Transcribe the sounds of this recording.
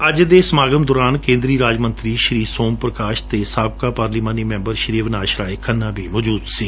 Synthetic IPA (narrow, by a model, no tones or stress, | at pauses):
əd͡ʒd̪eːsəmaːɡəmd̪oːɾaːnkẽːnd̪ɾiːɾaːd͡ʒmənt̪ɾiːʃɾiːsoːmpɾəkaːʃt̪eːsaːbkaːpaːɾliːmaːniːmɛ̃ːmbəɾʃɾiːʋnaːʃɾaːɪkʰənːãːbʱiːmɔːd͡ʒuːd̪siː